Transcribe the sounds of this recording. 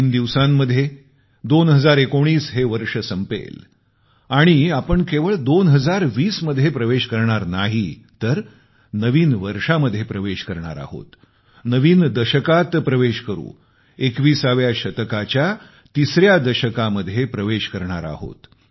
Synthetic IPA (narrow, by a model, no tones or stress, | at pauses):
ind̪iʋsãmːəd̪ʱːje | d̪onɦəd͡zaɾekoɳ̃iːsɦeʋəɾʂəsəmpḛl | aɽ̃iapəɳkeʋəɭd̪onɦəd͡zaɾʋiːsməd̪ʱːjepɾəʋeɕkəɾɳaɾnaɦi | t̪əɾ | nəʋiːnʋəɾʂaməd̪ʱːjepɾəʋeɕkəɾɳa̰ɾa̰ɦo̰t̪ | nəʋiːnd̪əɕəkat̪pɾəʋeɕkəɾṵ̃ː | ekʋiːsaʋjaɕət̪kat͡ɕja | t̪isɾjad̪əɕəkaməd̪ʱːjepɾəʋeɕkəɾɳ̃aɾa̰ɦo̰t̪